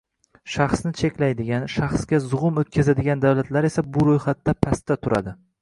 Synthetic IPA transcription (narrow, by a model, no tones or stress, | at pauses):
ʃɑχsnɪt͡ʃʰe̞kʲlajd̪ɪɡʲanʃaχsɡʲazʊʁʊmot̪̚kʲazad̪ɪɡʲand̪awlat̪ʰlaɾe̞sabʊɾojχat̪ːapʰast̪ːat̪ʰʊɾa̰d̪ɪ